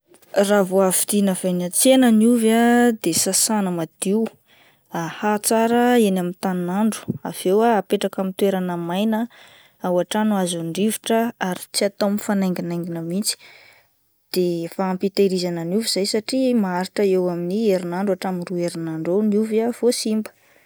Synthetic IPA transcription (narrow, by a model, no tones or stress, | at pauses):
ravoafid̪̥inəv̥ajnat͡senəniuvad̪esasanəmad̪̥iw | ahat͡saɾəenamint̪annaɳɖ͡ʐu̥a̰v̥ewaːpeʈ͡ʂakamint̪weɾanəmajnə | awaʈ͡ʂanuazuɳɖ͡ʐiviʈ͡ʂəaɾi̥t͡siat̪omifanajŋɡinajŋɡinəmit͡si̥ | d̪̥efaːmpit̪aɾizanəniuviz̥ajsaʈ͡ʂimaaɾiʈ͡ʂəewaminieɾinaɳɖ͡ʐuaʈ͡ʂaminrueɾinaɳɖ͡ʐoniuvav̥osimbə̥